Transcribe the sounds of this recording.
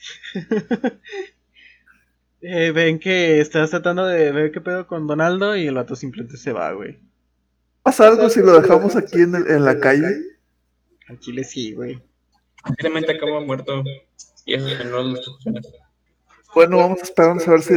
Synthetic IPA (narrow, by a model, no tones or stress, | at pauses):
eβe̞ŋke̞ːst̪ast̪ɾat̪and̪o̞ðeβe̞ɾke̞pe̞ð̞oko̞nd̪o̞nald̪o̞ielat̪ɾosimplement̪ese̞βa̰ɣwḛj | asaalɣo̞siloðe̞xamosakieneʔenlakaʝe | akilesiɣwej | t̪iɾamẽnt̪eakaβamweɾt̪o | iḛsoskenozutoeɾas | bwe̞no̞βamo̞saespeɾaɾnd̪osaβe̞ɾsi